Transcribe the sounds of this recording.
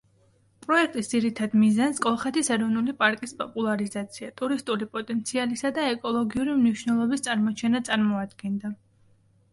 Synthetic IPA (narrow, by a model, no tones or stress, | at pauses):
pʼɾɔɛk̚ʰt̪ʼisd̪ziɾit̪ʰad̪mizanskʼɔlˠχɛt̪ʰisɛɾɔvnulipʼaɾkʼispʼɔpʼulˠaɾizat̪sʰiat̪ʼuɾist̪ʼulipʼɔt̪ʼɛnt̪sʰialisad̪aɛkʼɔlˠɔɡiuɾimniʃnɛlˠɔbist̪sʼaɾmɔt͡ʃʰɛnat̪sʼaɾmɔad̪ɡɛnd̪a